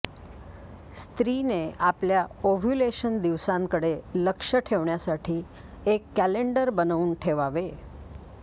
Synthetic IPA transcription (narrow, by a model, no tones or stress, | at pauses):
st̪ɾineapljaoʋʱjuleʃənd̪iʋsãnkəɽeləkʃəʈʰeʋɳjasaʈʰi | ekːɛleɳɖəɾbənaunʈʰeʋaʋe